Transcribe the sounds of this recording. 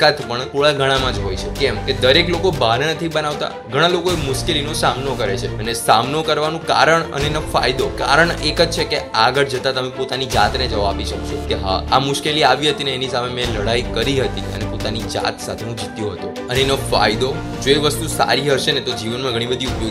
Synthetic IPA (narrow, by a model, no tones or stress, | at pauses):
kat̪pəɳt̪ʰoɭaɡʱəɽ̃ãmãd͡ʒɦojt͡ʃʰekɛmked̪əɾeklokobaɦnenət̪ʰibənaʋt̪a̰ | ɡʱəɽ̃alokoemʊʃkelinosamnokəɾet͡ʃʰeənesamnokəɾʋanũka̰ɾəɳə̰nenafa̰jd̪oka̰ɾəɳekəd͡ʒt͡ʃʰekeaɡəɾd͡ʒət̪at̪əmẽpot̪anid͡ʒat̪ned͡ʒəʋapiʃəkʃokeɦa̰amʊʃkeliaʋiɦət̪ineːnisamemɛ̃ləɽaikəɾiɦət̪iənepot̪anid͡ʒa̰t̪sat̪ʰenũd͡ʒit̪jõɦət̪õ | ənenofa̰jd̪o | d͡ʒoeʋəst̪usa̰ɾiɦəʃenet̪od͡ʒiʋənmãɡʱəɽ̃ibəd̪ʱiupjo